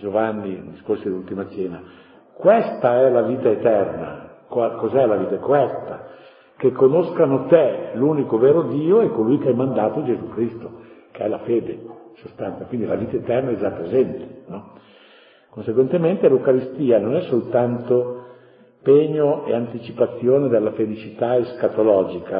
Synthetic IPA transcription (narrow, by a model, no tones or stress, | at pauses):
d͡ʒovanːid̪iskorsod̪ilult̪imat͡ʃɛːna | kwest̪aɛlaviːt̪aet̪ɛrna̰kwakozɛlaviːt̪aekoɛst̪a | kekːonoskanot̪eluːnikoveːɾod̪iːoɛkːolujkeajmand̪aːt̪od͡ʒezukɾist̪okeɛlafeːd̪esost̪anakwind̪ilaviːt̪aet̪ɛrnaɛezat̪ːament̪e̥nɔ | konseɡwent̪ement̪eleukaɾist̪iːanonɛsːolt̪ant̪o | peːɲoḛant̪it͡ʃipat̪sːjoːned̪elːafelit͡ʃit̪aeskat̪olɔːd͡ʒika